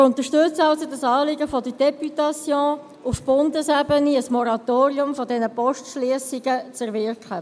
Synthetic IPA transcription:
ʊnt̪əʃtʉt͡səɑlsodɑsɑːlɪɡəfɔdəd̥ɛpytɑsjõː | ufb̥ʊndəsɛbəniəsmɔɾɑtoːɾiʊmfɔdɛnəpɔʃtʃliəsɪɡət͡sɛɾvɪrkχə

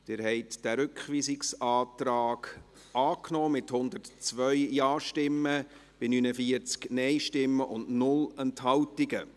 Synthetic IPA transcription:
d̥ɪɾhɛɪt̪d̥æɾʏkχʋiːsɪksɑːt̪ɾaːɡ̥ | ɑːknɔːmɪthʊnd̪əɾtt͡sʋœʏjɑːʃtɪmːəb̥ɪnynəfiəɾt͡sknɛjʃtɪmːəʔʊndnʊlɛnthɑwtɪɡə

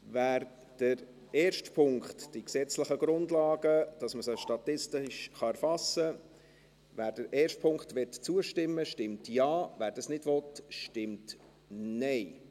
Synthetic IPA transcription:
væːɾ | d̥əɾ | ɛːɾʃtpʰʊŋkχtd̥iksɛt͡sləχəɡɾʊndlɑːɡəd̥ɑsməsəʃtɑt̪ɪstɪʃχɑæɾfɑsə | væːɾdəɾʔɛːɾʃtpʰʊŋktʋɛtt͡suəʃtɪmːəʃtɪmtjɑːvæːɾd̥ɑsnɪdvɔtʃtɪmt | nɛɪ

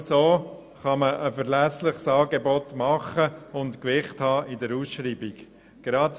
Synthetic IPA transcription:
soː | χɑməʔəfəɾlæslɪχsɑːɡebɔtmɑχəʊntkʋɪχthɑːʔɪdəɾusʃɾiːbiɡ | ɡ̥ɾɑt

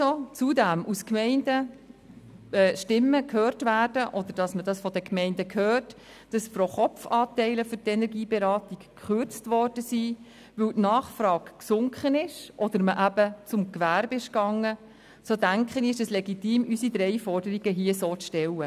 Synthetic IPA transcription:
sot͡sudæmʔuskmɛɪndə | ɛːʃtɪmːəkʰhøːrtvæːrdəʔɔd̥̪əɾd̥ɑsmədɑsfɔdəkmɛɪndəkʰhøːt | d̥ɑsfroχɔpfɑːtɛɪləfʏɾtɛnɛɾɡiːbɛɾɑːtikː | χøɾt͡stʋɔrd̥əsi | ʋɵwtnɑːχfɾɑːkksʊŋkχənɪʃʔɔd̥̪əɾməʔæb̥ət͡sʊmkʋæɾbɪʃkɑŋːə | soːdæŋkχəniɪʃəslɛɡitiːmʔysid̪ɾɛɪfɔrdəɾiɡ̥əɦiəsoːt͡sʃtɛwə

